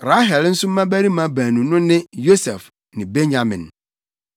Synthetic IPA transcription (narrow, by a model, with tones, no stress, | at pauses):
ɾa˦ɦɛ˨ln̩˦sʊ˦m̩˦mã˦bæ˦ɾi˦mã˨˦bæ̃ː˨nũ˨nʊ̃˦nɪ̃˦jo˦sɛ˨f | nɪ̃˨be˦ɲã˨mɪ̰̃˨n